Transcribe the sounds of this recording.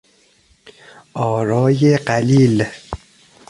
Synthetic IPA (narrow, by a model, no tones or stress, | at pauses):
ʔɒːɾɒːjeɢæliːl